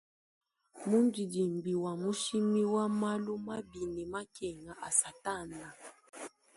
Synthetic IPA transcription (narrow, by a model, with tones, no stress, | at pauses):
mu˦nd͡ʒi˨di˨mbi˨wa˨mu˦ʃi˦mi˦wa˦ma˦lu˦ma˦bi˨nɛ˨ma˦kɛ˨ŋa˨ʔa˨sa˨ta˦˨nda˨